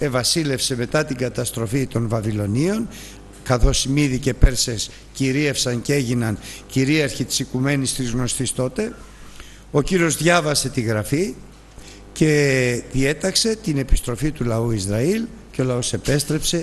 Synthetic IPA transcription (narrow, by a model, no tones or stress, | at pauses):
e̞vɐsile̞fse̞me̞t̪ɐt̪iŋɡɐt̪ɐst̪ɾo̞fit̪o̞nvɐvilo̞nio̞n | kɐθo̞simiðice̞pe̞ɾse̞s | ciɾiefsɐncee̞ʝinɐnciɾiɐɾçit̪i̥sikume̞nist̪izɣno̞st̪ist̪o̞t̪e̞ | o̞ciɾio̞zðʝɐvɐse̞t̪iɣɾɐfi | ce̞ðie̞t̪ɐkse̞t̪ine̞pi̥st̪ɾo̞fit̪ulɐuizɾɐilceolɐo̞se̞pe̞st̪ɾe̞pse̞